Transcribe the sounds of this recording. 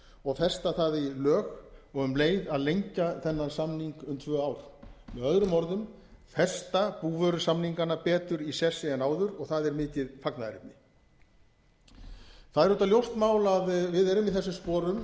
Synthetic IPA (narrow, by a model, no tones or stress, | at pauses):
ɔɣfɛ̥st̪aθaðilœːxɔɣʏmleːjðaðlejɲcaθɛnːansamniŋkʏmt̪ʰvœːaːwɾ̥mɛðœðɾʏmɔɾðʏm | fɛ̥st̪apuːvœɾʏsamniŋkanːapɛːt̪ʏɾisɛsɪɛnaːwðʏɾɔɣθaðɛɾmɪːc̪ɪðfaknaðɾɪ̰p̚nɪ | θaðɛɾʏt̪aljowst̪maːwlaðvɪðɛɾʏmiθɛsːʏmspɔːɾʏm